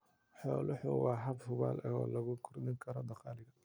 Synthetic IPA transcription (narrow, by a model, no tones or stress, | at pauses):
ħɔːlʊħʊ̰wɑːɦɐbhʊβa̰ːlʔɐɣɔ̰ːlɐɣʊkʰʊrd̪ɪŋkʰɐɾɔd̪ɐqɑːlɪɣɐ